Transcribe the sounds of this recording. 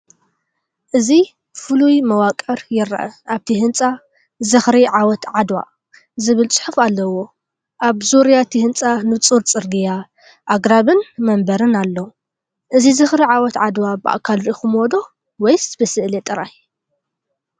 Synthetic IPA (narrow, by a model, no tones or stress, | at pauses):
ʔɨzi | fɨlujmɐwakʼɐɾjɪɾa̰ʔɐ̰ʔaβt̪ʰiɦɨnt͡sʼa | zɨxɾiʕawɔt̪ʕad̪wa̰ | zɨβɨlt͡sʼɨ̥ħufalːɐwo̞ | ʔaβzuɾijat̪ʰihɨnt͡sʼanɨt͡sʼuɾt͡sʼɨɾɡija | ʔaɡɾaβɨnmɐmbɐɾɨnalːɐw | ʔɨzizɨxɾiʕawɔt̪ʕad̪wabɨʔa̰kʰalɾixumod̪o̞ | wɔjsbɨsɨʔlet̪ʼɨɾaj